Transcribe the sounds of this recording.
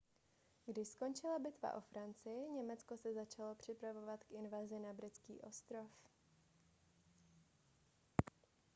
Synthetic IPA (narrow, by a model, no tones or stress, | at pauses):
ɡdɪʃsko̞nt͡ʃɪlabɪt̪va̰ʔo̞fɾant͡sɪjɪɲɛmɛt͡sko̞sɛzat͡ʃalo̞pr̝̥ɪpɾavo̞vat̪kʔɪnvazɪnabɾɪt͡skḭːʔo̞st̪ɾo̞f